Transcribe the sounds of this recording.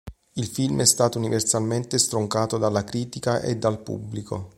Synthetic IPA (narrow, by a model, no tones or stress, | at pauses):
ilfilmɛst̪aːt̪ouniversalment̪est̪ɾoŋkaːt̪od̪alːakɾiːt̪ikaʔḛd̪ːalpṵbːlikʰo